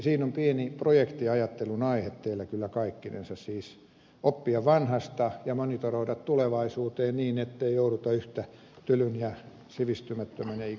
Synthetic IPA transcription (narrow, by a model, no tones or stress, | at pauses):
siːnompieniprojekt̪iɑjɑt̪ːelunɑihet̪t̪eilːækylːækɑikːinḛnsɑssiːs | opːiɑʋʋɑnhɑst̪ɑjɑmonit̪oroidɑt̪t̪uleʋɑisuːt̪eːnniːnet̪ːeijouɾut̪ɑyht̪æ | t̪ylynjɑ | siʋist̪ymæt̪ːøminei